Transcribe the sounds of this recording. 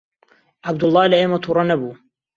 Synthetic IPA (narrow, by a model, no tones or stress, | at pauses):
ʕabd̪ʊlˠˤːɑːlɐʔeːmɐt̪ʰuːɾˤɑnɐbuː